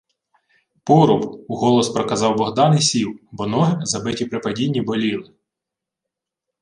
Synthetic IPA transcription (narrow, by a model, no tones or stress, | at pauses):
pɔɾʊbuɦɔlˠɔspɾɔkɐzɑwbɔɦd̪ɑnɪjsʲiwbɔnɔɦɪzɐbɪtʲipɾɪpɐdʲinʲːibɔlʲilˠɪ